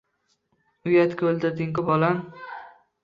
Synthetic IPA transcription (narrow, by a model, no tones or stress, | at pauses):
ʊjat̪kʲold̪ɪɾd̪ɪŋkʊbɒlam